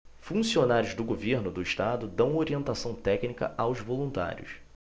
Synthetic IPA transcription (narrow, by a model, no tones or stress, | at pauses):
fũsionaɾjʊzd̪ʊɡoveɾnʊd̪ʊiʃt̪ad̪ʊd̪ɐ̃w̃oɾiẽnt̪asɐ̃w̃t̪ɛknikɐ̰ʔawzvolũnt̪a̰ɾjʊ̰s